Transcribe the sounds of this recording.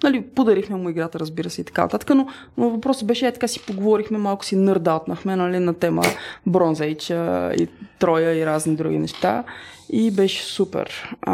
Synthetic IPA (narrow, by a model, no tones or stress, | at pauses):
nɐlipod̪ɐɾixmɛmʊiɡɾat̪əɾəzbiɾəsɛit̪ɐ̥kan̰t̪at̪ə̥kəno | novɐpɾɔsəbɛʃɛɛt̪ɐ̥kasi̥poɡovɔɾixmɛmalˠkʊ̥sinɤɾd̪alˠt̪nəxmɛnɐlinɐt̪ɛmə̰bɾonzɛjt͡ʃəḭt̪ɾɔjəiɾaznid̪ɾuɡ̟ḭnɛʃt̪aibɛʃɛ̥supɛ̰ɾ